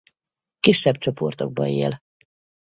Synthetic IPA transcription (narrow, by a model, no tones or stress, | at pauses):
kiʃːɛbt͡ʃo̞po̞rt̪o̞ɡ̚bɒ̰jḛːl